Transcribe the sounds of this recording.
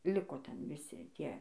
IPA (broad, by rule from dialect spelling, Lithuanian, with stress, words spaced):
ˈlʲɪkoː ˈtʲɛn ʋʲɪˈsʲɪ ˈtʲiɛ